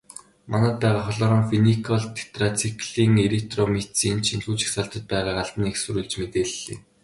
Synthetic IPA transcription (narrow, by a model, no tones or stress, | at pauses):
manæ̆ːt̪̚pæːʁaːχɔɮɔːɾɔːŋfinikʰɔɮt̪ʰe̥t̪rat͡sʰikɮiːŋelek̚t̪romet͡siːnt͡ɕʰinɮuːt͡ɕi̥xsaɬt̪ə̆t̪̚pæːʁaːʁaɮt̪ə̆niksɵɾuːɮt͡ɕmet̪eːɮːḭː